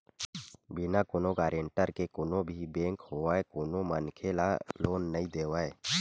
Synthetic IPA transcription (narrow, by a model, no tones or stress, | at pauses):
bɪnakʊnoɡaːɾeɳʈəɾkekʊnõbʱibẽːŋkhoaːekʊnomənkʰelaloːnːəĩd̪eːʋaːe